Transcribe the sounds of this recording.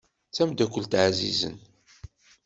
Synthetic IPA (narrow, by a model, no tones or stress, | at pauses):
t͡sæmd̪ækʷːəlt̪ʕazḭzə̰n